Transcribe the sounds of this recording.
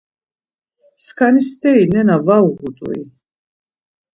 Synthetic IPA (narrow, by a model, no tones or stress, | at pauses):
skʰanisd̪ɛinɛnavauʁut̪ʼṵḭ